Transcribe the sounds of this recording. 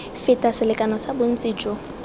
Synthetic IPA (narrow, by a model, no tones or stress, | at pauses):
fɪtʼasɪlɪkʼanɔsabʊn̩t͡sʼiːt͡ʃʼɔ